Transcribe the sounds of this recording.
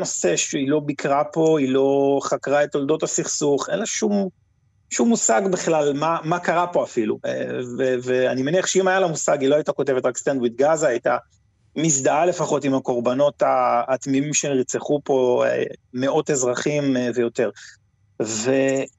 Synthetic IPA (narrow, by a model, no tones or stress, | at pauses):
noseʃeilo̞bikʁapo̞ilo̞χakʁaetold̪o̞tasiχsuχenleʃum | ʃumːusaɡbiχlalmamakaʁapo̞afilueveveanimeniaχʃeimajalamusaɡiloajit̪ako̞te̞vetʁakst̪andwid̪ɡazaajta | misd̪aale̞faχo̞timako̞ʁbano̞t̪aːt̪mimimʃeniʁt͡seχupo̞ḛme̞o̞tezʁaχimve̞jo̞t̪e̞ʁ | ve